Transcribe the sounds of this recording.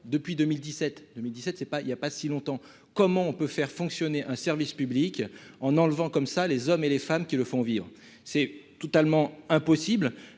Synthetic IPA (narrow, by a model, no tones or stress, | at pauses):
d̪əpɥid̪əmild̪isɛt̪d̪ømild̪isɛt̪sɛpailjapasilɔ̃t̪ɑ̃ | kɔmɑ̃ɔ̃pøfɛʁfɔ̃ksjɔneʔɛ̃sɛʁvispyblikɑ̃nɑ̃lvɑ̃kɔmsalezɔmelefamkʲiləfɔ̃vivʁə | sɛt̪ɔt̪almɑ̃ɛ̃pɔsibl